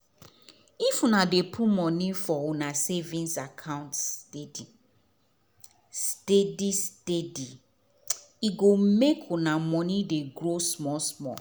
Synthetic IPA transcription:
ifunadepʰumɔnifɔunasevĩnsakʰãʊ̃ntstedi | stedistedi | iɡomekʰunamɔnideɡɾosmɔsmɔ̰

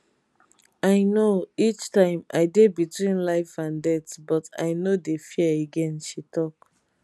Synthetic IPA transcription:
aɪnoit͡ʃtãɪ̃ma̰ɪdebitwĩnlaɪfãndɛtbɔta̰ɪnodefiɛeɡɛ̃nʃitʰɔk

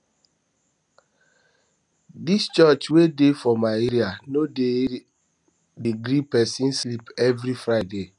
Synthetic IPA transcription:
dist͡ʃɔt͡ʃwedefɔmaeɾianode | deɡɾipɛsĩnslipɛvɾifɹaɪde

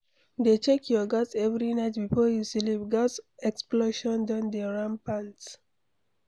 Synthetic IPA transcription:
d̪et͡ʃekʰjɔɡatɛvɹinaɪtbifɔjusilip̚ɡasɛksploʃɔ̃ndãndɛɹãmpãnt

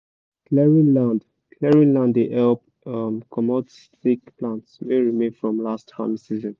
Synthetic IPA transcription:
klɛɹĩnlãnd | kʰlɛɹĩnlãndeʔɛlp | amkʰɔmɔtstikplãntsmeɹimẽnfɹɔ̃mlasthã̰msizɔ̃n

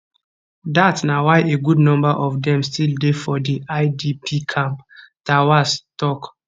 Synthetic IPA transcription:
datsnawaɪʔeɡudnɔ̃mbaʔɔfdɛ̃mstildefɔdiaɪdipʰikʰãmptawastɔk

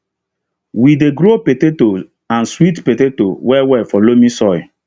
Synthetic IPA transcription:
wideɡɾopeteto | ãnswitpetetowɛwɛfɔlomĩsɔj̰

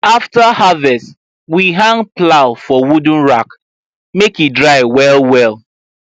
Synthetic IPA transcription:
aftahavɛst | wiɦãŋplaʊfɔwud̃n̩ɹak | mekidɹaɪwɛlwɛlˠ

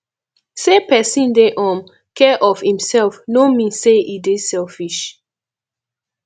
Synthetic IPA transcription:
sepɛsĩndeʔɔ̃m | kɛʔɔfhĩmsɛlfnomĩnseʔidiz̥sɛlfiʃ

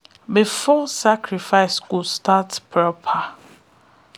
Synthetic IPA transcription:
bifɔsakʰɾifaɪskudstatpʰɹɔpʰa

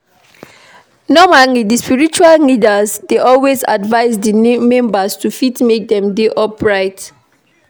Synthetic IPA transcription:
nɔmalidispiɹit͡ʃuallidəzdeʔɔlweza̰dvaɪzdinmɛ̃mbastufitmek̚dɛ̃mdeʔɔpɹaɪt

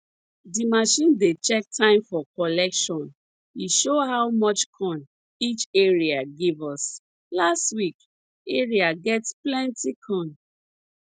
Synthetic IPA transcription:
dimaʃĩndet͡ʃɛk̚tʰãɪ̃mfɔkɔlɛkʃɔ̃n | iʃoɦawmɔt͡ʃkʰɔ̃n | it͡ʃeɹiaɡivɔs | lastwik | eɹiaɡɛtsplɛ̃ntikʰɔ̃n

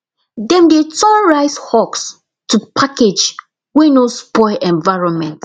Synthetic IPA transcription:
dɛ̃mdetɔ̃nɹaɪshɔks | tupʰaked͡ʒ | wɛnospɔɪlʔɛ̃nvaɪɹɔ̃nmɛ̃nt

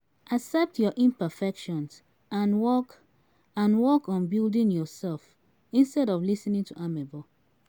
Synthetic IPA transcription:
ʔasɛp̚tjɔʔĩnpəfɛkʃɔ̃ns | ãnwɔk | ãnwɔkɔ̃nbildĩnjɔsɛlf | ĩnstɛɾɔvlisnĩŋtʰuʔamɛbɔ

